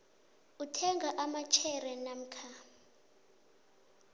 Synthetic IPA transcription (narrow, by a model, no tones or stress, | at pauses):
utʰɛŋɡʱaʔamat͡ʃʰɛrɛnam̩kʰa